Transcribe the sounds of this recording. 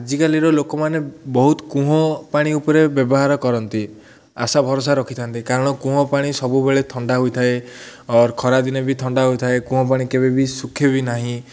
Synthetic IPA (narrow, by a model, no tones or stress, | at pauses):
d͡ʒikaliɾɔlokɔmanebɔɦut̪ɔ̥kũɦɔpaɽ̃iupɔɾebjɔbɔɦaɾɔkɔɾɔnt̪i | a̰sabʱɔɾos̬aɾɔkʰit̪ʰant̪ikaɾɔɽ̃ɔkũɦɔpaɽ̃isɔbubeɭet̪ʰɔɳɖaɦojt̪ʰaeɔɾkʰɔɾad̪inɔbit̪ʰɔɳɖaɦojt̪ʰaekũɦɔ̃paɽ̃ikebebisukʰːebinaɦĩ